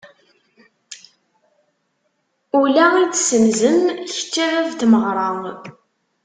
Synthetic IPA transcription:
ulæit͡sːsəmzəmç̥t͡sːiʁævt̪məʁɾˤɑŋ

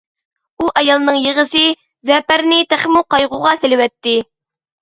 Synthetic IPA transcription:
uʔɑjɑlˠnɨŋjeʁəsɪ | zɛpæɾnɪt̪æχmuqɑjʁuʁɑsɪlɪwɛt̪ːɪ

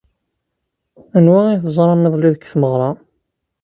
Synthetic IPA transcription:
ənwæiθəzˤɾˤɑmɪðˤliðəkːθməʁɾˤɑ

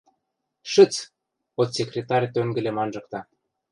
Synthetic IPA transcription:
ʃə̆t͡s | ot̪sʲekrʲet̪ɑɾʲt̪øŋɡɘ̆lʲemɑnʒɤ̆k̚t̪ɑ

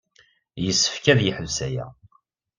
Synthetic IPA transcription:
jəsːə̥fkæðjiħəvsæjæ̰

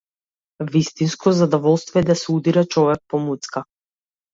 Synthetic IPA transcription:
vist̪inskɔzad̪ɔvɔlˠst̪vɔɛd̪asɛud̪iɾat͡ʃɔvɛk̚pɔmut̪ska

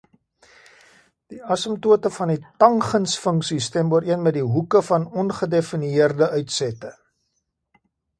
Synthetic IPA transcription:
d̥iɐsəmtuətəfɐnitɐŋχənsfəŋksistɛmbuəɾiənmɛt̚diɦukəfɐnɔnχədefiniiərdəœɥtsɛtə

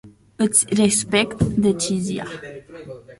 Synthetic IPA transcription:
ət͡srespɛkt̪d̪et͡ʃizja̰

